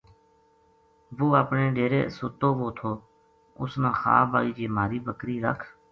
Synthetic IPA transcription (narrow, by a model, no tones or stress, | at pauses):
ʋoːaːpɳeːɖeːɾḛːsʊt̪oːʋoːt̪ʰoː | ʊ̰snãːxa̰ːbaːiːd͡ʒeːmaːɾiːbəkɾiːɾə̰kʰ